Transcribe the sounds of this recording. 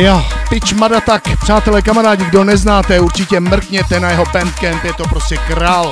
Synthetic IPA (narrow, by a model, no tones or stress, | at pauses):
jaːpɪt͡ʃmadat̪akpr̥aːt̪ɛlɛkamaɾaːɟɪɡdo̞nɛznaːt̪ɛuɾt͡ʃɪcɛmr̩kɲɛt̪ɛnajɛɦo̞pɛnt̪kɛmpjɛt̪o̞pɾoscɛkɾaːl